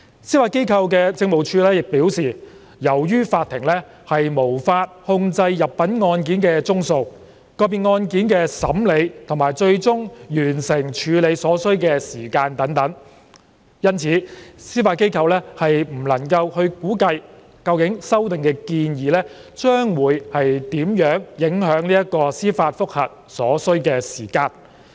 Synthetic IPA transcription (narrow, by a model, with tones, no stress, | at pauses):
siː˥faː˧t̚ke˥jkʰɐ˧wkɛː˧t͡sɪ˧ŋmo˨˩wt͡ʃʰyː˧lɛː˥jɪ˨k̚piː˨˥wsiː˨˩ | jɐ˨˩wjyː˥faː˧t̪ʰːɪ˨˩ŋlɛː˥ | hɐ˨jmo˨˩wfaː˧t̚hʊ˧ŋt͡sɐ˧jːɐ˨p̚pːɐ˨˥nŋɔː˧nkiː˨˥nkɛː˧t͡sʊ˥ŋso˨˧w | kɔː˧piː˨nŋɔː˧nkiː˨˥nkɛː˧sɐ̰˨˥mle˨˧jt̪ʰʊ˨˩ŋmaː˨˩jt͡ʃɵ˧ɥt͡sʊ˥ŋjyː˨˩nsɪ˨˩ŋt͡ʃʰyː˨˧le˨˧jsɔː˨˥sɵ˥ɥkɛː˧siː˨˩kaː˧nt̪ɐ˨˥ŋt̪ɐ˨˥ŋ | jɐ˥nt͡sʰiː˨˥siː˥faː˧t̚ke˥jkʰɐ˧wlɛː˥hɐ˨jm̩˨˩lɐ˨˩ŋkɐ˧whɵ˧ɥkuː˨˥kɐ˧j | kɐ˧wkɪ˨˥ŋsɐ˥wt̪ɪ˨ŋkɛː˧kiː˧njiː˨lɛː˥t͡ʃœː˥ŋwuː˨˥jhɐ˨jt̪iː˨˥mjœː˨˥ŋjɪ˨˥ŋhœː˨˥ŋniː˥jɐ˥t̚kɔː˧siː˥faː˧t̚fʊ˥k̚hɐ̰˨˩t̚sɔː˨˥sɵ˥ɥkɛː˧siː˨˩kaː˧n